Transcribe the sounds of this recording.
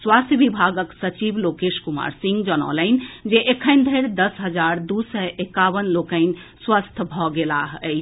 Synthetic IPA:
swast̪ʰəʋibʱaɡəksət͡ʃiʋlokeʃkuma̰ɾsĩŋɡd͡ʒənɔ̰ləɪnd͡ʒeʔekʰəɪnd̪ʱəɪɾd̪əsɦəd͡ʒaɾd̪usɛʔekaʋənlokəɪnswast̪ʰbʱɔɡela̰ɦəɪ

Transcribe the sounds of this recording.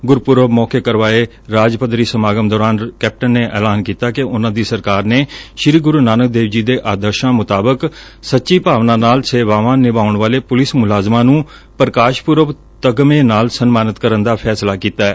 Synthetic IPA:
ɡʊɾpʊɾəʋmɔːkeːkəɾʋaːeː | ɾaːd͡ʒpəd̪ɾiːsəmaːɡəmd̪ɔːɾaːnkɛːp̚ʈənːeːʔɛːlaːnkiːt̪aːkɪʊnãːd̪iːsəɾkaːɾneːʃɾiːɡʊɾuːnaːnək̚d̪eːʋd͡ʒiːd̪eːʔaːd̪əɾʃãːmʊt̪aːbəksətːʃiːpaːʋnãːnaːlseːʋaːʋãːnɪbaːʊɳʋaːleːpʊlɪsmʊlaːzmãːnũː | pɾəkaːʃpʊɾəʋ | t̪əɡmẽːnaːlsənmaːnət̪kəɾənd̪aːpʰɛːslaːkiːt̪aːɛː

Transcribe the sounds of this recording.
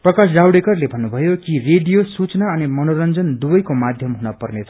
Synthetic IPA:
prʌkasɖawɽekʌrlebʱʌnːubʱʌjokireɖijosut͡snaʌnimʌnoɾʌnd͡zʌnd̪ubʌjkomad̪ʱjʌmɦunʌpʌrnet͡sʰʌ̥

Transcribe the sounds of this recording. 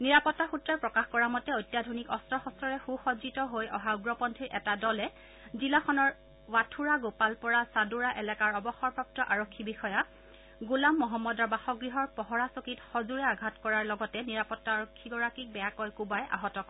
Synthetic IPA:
niɹapɔtːaxutɹaɹpɹɔkaxkɔɹamɔtɛojtːjadʱonikɔstɹɔxɔstɹɔɹɛxuxɔzitɔɦojɔɦauɡɹɔpɔntʰiɹʔɛtadɔlɛ | zilaxʰɔnɔɹ | watʰuɹaɡopalpɔɹasaduɹaʔɛlɛkaɹɔbɔxɔɹpɹap̚tɔʔaɹɔkʰːibixɔja | ɡulamːɔɦɔmːɔdɔɹbaxɔɡɹiɦɔɹpɔɦɔɹasokitxɔzuɹɛaɡʱatkɔɹaɹlɔɡɔtɛniɹapɔtːaːɹokʰːiɡɔɹakik̚bɛjakɔjkubaja̰ɦɔtɔk

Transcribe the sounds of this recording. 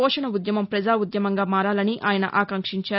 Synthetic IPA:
ɔːʂɐnɐud̪jɐmɐmpɾɐd͡ʒaːud̪jɐmɐŋɡaːmaːɾaːlɐniʔaːjɐnɐ̰ʔaːkɐŋkʂiɲt͡ʃaː

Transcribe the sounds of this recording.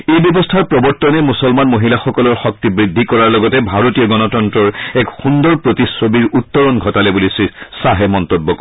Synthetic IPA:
ejbjɔbɔstʰaɹpɹɔbɔɹtːɔnɛmusɔlmanmoɦilaxɔkɔlɔɹxɔk̚tibɹid̪ʱːikɔɹaɹlɔɡɔtɛbʱaɹotiɔɡɔnɔtɔntɹɔɹɛkxũnd̪ɔɹpɹotisobiɹutːɔɹɔnɡʱɔtalɛbulisisaɦɛmɔnt̪ɔbːɔk

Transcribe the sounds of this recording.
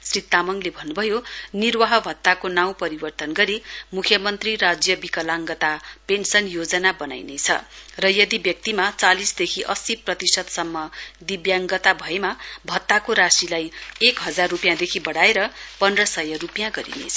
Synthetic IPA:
srit̪ːamʌŋlebʱʌnːubʱʌjonirwaɦʌbʱʌt̪ːakonaw̃pʌɾibʌrt̪ʌnɡʌɾimukʰjʌmʌnt̪riɾad͡zjʌbikʌlaŋɡʌt̪apensʌnjod͡zʌnabʌna̰jnet͡sʰʌ̰rʌjʌd̪ibjʌk̚t̪imat͡salisd̪ekʰiʔʌsiprʌt̪isʌd̪sʌmːʌd̪ibjaŋɡʌt̪abʱʌemabʱʌt̪ːakoɾasilajekɦʌd͡zarːupijãd̪ekʰibʌɽaeɾʌpʌnrʌsʌjʌrupjãɡʌɾḭnḛt͡sʰʌ

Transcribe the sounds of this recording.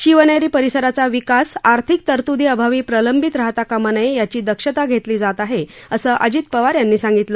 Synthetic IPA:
ɕiʋənjaɾiːpəɾisəɾat͡saʋikasaɾt̪ʰik̚t̪əɾt̪ud̪iːəbʱaʋiːpɾələmbʱit̪ɾəɦt̪akamənəjejat͡ɕiːd̪əkʂət̪aɡʱet̪liːd͡zat̪aɦeəsəːʔəd͡ʑiːt̪pəʋaɾjanːiːsãŋɡit̪lə

